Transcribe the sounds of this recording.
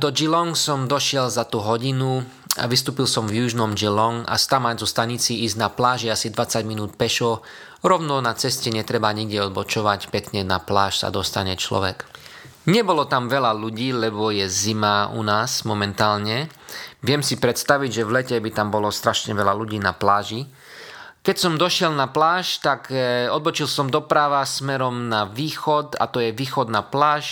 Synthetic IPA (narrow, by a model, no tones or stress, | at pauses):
d̪ɔd͡ʒilɔŋsɔmd̪ɔʃɪɛlzat̪uɦɔɟinu | a̰ʋist̪uːpilsɔmvjuʒnɔmd͡ʒilɔŋa̰st̪amazɔst̪aɲit͡siiːzɟnaplaːʒɛasid̪ʋat͡saɟminuːt̪pɛʃɔ | ɾɔʊnɔnat͡sɛscɛɲɛt̪ɾɛbaɲiɡɟɛɔd̪bɔt͡ʃɔʋacpɛkɲɛnaplaːʃsa̰d̪ɔst̪aɲɛt͡ʃlɔ̰ʋɛk | ɲɛbɔlɔt̪amʋɛlaluɟiːlɛbɔjɛzimaṵnaːsmɔmɛnt̪aːlɲɛʋɪɛmsipɾɛt̪st̪aʋiɟʒɛʋlɛcɛbit̪ambɔlɔst̪ɾaʃɲɛʋɛlaluɟiːna̰plaːʒi | kɛcsɔmd̪ɔʃɪɛlnaplaːʃt̪akɔd̪̚bɔt͡ʃilsɔmd̪ɔpɾaʋasmɛɾɔmnaʋiːxɔt̪a̰t̪ɔjɛʋiːxɔd̪naplaːʃ